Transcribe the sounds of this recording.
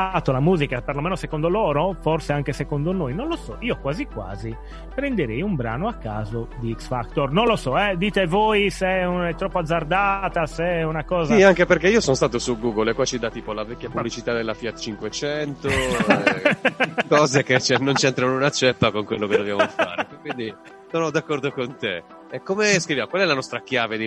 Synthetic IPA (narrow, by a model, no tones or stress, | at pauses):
t̪olamuːzikaperlomɛːnosɛkond̪olɔːɾofɔrseaŋkesɛkond̪onojnõnlosɔ̰ʔiːokwaːzikwa̰ːzi | pɾɛnd̪eɾejumbɾa̰ːnoakːaːzod̪iiksfakt̪ɔrnõnlosɔɛd̪iːt̪evoːisɛɛt̪ːɾɔpːoad̪zːard̪aːt̪asɛunakɔːziaŋkepeɾkeiːosɔnost̪aːt̪osuɡuɡolɛkːwat͡ʃːid̪at̪ːiːpolavɛkːjapublit͡ʃit̪ad̪elːafiat̪t͡ʃiŋkwet͡ʃɛnt̪o | kɔːzeket͡ʃɛnːont͡ʃɛnt̪ɾanunat͡ʃɛpːakoŋkwelːokedd̪ovjamofa̰ːɾekːwind̪i | sɔːnod̪akːɔɾd̪okont̪e | ɛkːomeskɾivjamkwalɛlanɔst̪ɾakjaːved̪i